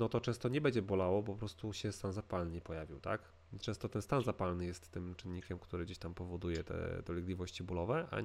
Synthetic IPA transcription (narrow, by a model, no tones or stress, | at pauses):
nɔt̪ɔt͡ʂɛ̃w̃st̪ɔɲɛbɛɲd͡ʑɛbɔlawɔpɔpɾɔst̪uɕɛst̪anzapalnɲɛpɔjavʲiwt̪a̰k | t͡ʂɛ̃w̃st̪ɔt̪ɛnst̪anzapalnɘjɛst̪ːɘmt͡ʂɘnːikʲɛmkt̪uɾɘd͡ʑeɕt̪ampɔvɔd̪ujɛt̪ɛ̰d̪̥ɔlʲɛɡlʲivɔɕt͡ɕibulɔvɛʔa̰